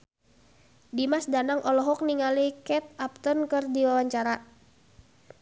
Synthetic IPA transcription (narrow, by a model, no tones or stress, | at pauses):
dimasdanaŋʔɔlɔɦɔk̚niŋalikɛt̪̚ap̚t̪ɔnkɨrdiwawaɲt͡ʃaɾa